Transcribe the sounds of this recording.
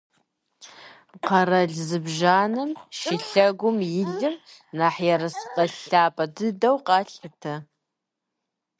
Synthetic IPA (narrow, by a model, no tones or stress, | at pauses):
qʰɐɾɐɮzɨbʒaːnɨmʃɪɬɐɡʷʊmjɪɮɨmnaħjɛɾɐsqʼɐɬaːpʼɐdɨdɐwqɑɬatʰɐ